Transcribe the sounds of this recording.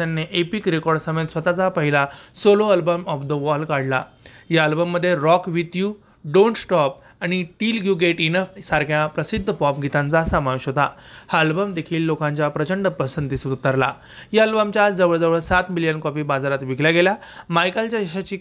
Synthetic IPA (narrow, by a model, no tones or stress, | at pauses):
anːeʔepikɾekɔɾɖsəmed̪sʋət̪at͡sapəɦilasoloəlbəmɔfd̪əʋɔlkaɽla̰ | jaəlbəmːəd̪ʱːjeɾɔkʋit̪ju | ɖoɳʈsʈɔp̚ | aɽ̃iʈilɡjuɡeʈinəfsaɾkʰjãpɾəsid̪ʱːəpɔpɡʱit̪ãnt͡sasamaʋeɕɦot̪a̰haəlbəmd̪ekʰiːlːokãɲt͡ɕjapɾət͡ɕəɳɖəpəsənd̪isud̪t̪əɾla̰ | jaəlbəmt͡ɕjad͡zəʋəɭd͡zəʋəɭsat̪milijənkɔpibad͡zaɾat̪ʋiɡʱljaɡelja | majkəlt͡ɕjaeɕat͡ɕiː